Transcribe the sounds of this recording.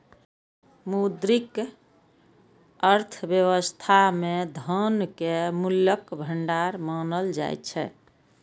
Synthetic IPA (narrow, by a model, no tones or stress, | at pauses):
mud̪ɾik | əɾt̪ʰbjewəst̪ʰamed̪ʱənkemuljəkbʱəɳɖaɾmanəld͡ʒa̰j̰tt͡ʃʰɛ̰